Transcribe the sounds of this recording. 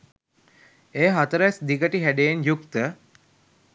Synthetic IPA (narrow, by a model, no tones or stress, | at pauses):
eːɦat̪əɾəɛsd̪iɡəʈiɦæɖejenjukt̪ə